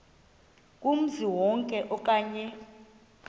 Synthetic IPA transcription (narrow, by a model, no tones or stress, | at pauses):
kʼum̩ziwɔŋkʼɛʔɔkʼaːɲɛ